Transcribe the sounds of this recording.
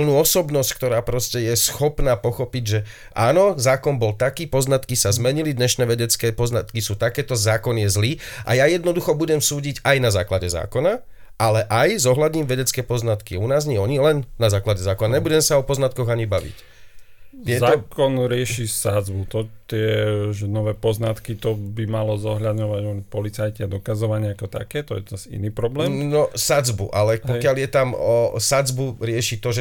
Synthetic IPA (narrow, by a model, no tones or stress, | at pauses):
pl̩nuːɔsɔbnɔsck̚t̪ɔɾaːpɾɔscɛjɛsxɔpnaːpɔxɔpiɟʒɛ | ʔaːnɔzaːkɔnbɔlt̪akiːpɔznat̪kisazmɛɲilid̪ɲɛʃnɛːʋɛɟɛt͡skɛːpɔznat̪kisuːt̪akɛːt̪ɔzaːkɔnɪjɛzliːʔa̰jajɛd̪nɔd̪uxɔbuɟɛmsuːɟiɟajnaza̰ːklaɟɛza̰ːkɔna | ʔalɛʔajzɔɦladɲiːmʋɛɟɛt͡skɛːpɔznat̪kiunaːzɲɪɛɔɲilɛnːazaːklaɟɛzaːkɔnaɲɛbuɟɛmɛsaɔpɔznat̪̚kɔɣaɲibaʋḭc | jɛzaːkɔnɾɪɛʃisad͡zbut̪ɔt̪ɪɛʒɛnɔʋɛːpɔznat̪kit̪ɔbimalɔzɔɦʎad̪ɲɔʋaɟɔpɔlit͡sajcɪad̪ɔkazɔʋaɲɪaakɔt̪a̰kɛːt̪ɔjɛt̪ɛɾazḭniːpɾɔblɛːmnɔsad͡zbṵʔalɛpɔkɪaljɛt̪amɔsad͡zbuɾɪɛʃit̪ɔʒɛ